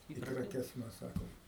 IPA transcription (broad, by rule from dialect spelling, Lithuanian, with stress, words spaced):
ɪ krɐˈkʲɛs ˈmʲɛs ˈsɑːkoːm